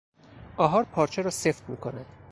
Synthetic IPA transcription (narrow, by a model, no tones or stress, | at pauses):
ʔɒːɦɒːɾpʰɒːɾt͡ʃʰeɾɒːse̞ft̪mḭːkʰo̞næd̪̥